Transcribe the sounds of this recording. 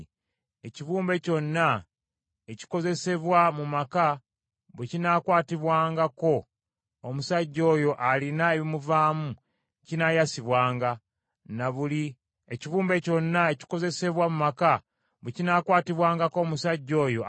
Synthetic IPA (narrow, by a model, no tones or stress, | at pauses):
eciβuːmbe̞co̞nːa | eci̥ko̞ze̞se̞βwamumaka | βwecinakwaːtiβwaːŋɡako̞ | omusaɟːo̞ːjo̞ʔalinae̞βimuvaːmu | cinajasiβwaːŋɡa | naβuli | eciβuːmbe̞co̞nːae̞ci̥ko̞ze̞se̞βwamumaka | βwecinakwaːtiβwaːŋɡako̞ːmusaɟːo̞ːjo̞